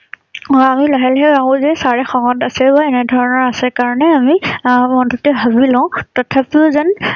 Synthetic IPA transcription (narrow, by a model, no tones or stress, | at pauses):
ɔamilɔɦɛlɦɛaɦũzɛsaɹɛxɔŋɔtasɛbaɛnɛdʱɔɹɔnɔɹasɛkaɹɔnɛamimɔntɔtɛbʱabilãʊ̃tɔtʰapiʊzan